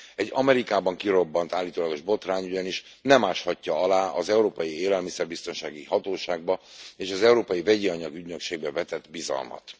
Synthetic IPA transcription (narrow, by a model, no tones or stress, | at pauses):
ɛɟːɒmɛɾikaːbɒŋkiɾo̞bːɒnt̪aːlːit̪oːlɒɡo̞ʒbo̞t̪raːɲyɟɛniʃ | nɛmaːʃhɒcːɒɒlaːʔɒzɛuɾoːpɒjieːlɛlmisɛrbist̪o̞nʃaːɡihɒt̪oːʃaːɡ̚bɒeːʃɒzɛuɾoːpɒjivɛɟiɒɲɒɡyɟnøkʃeːɡ̚bɛvɛt̪ɛt̪ːbizɒ̰lmɒ̰t̪